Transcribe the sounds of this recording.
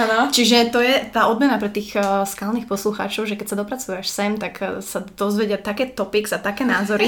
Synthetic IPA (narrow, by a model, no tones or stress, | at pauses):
anɔt͡ʃiʒɛt̪ɔjɛt̪aːɔd̪mɛnapɾɛt̪iːɣskalnixpɔsluxa̰ːt͡ʃɔʊʒɛkɛcsad̪ɔpɾat͡suaʃsɛmt̪aksad̪ɔzʋɛɟɪat̪akɛːt̪ɔpiɡz̥at̪akɛːnaːzɔɾi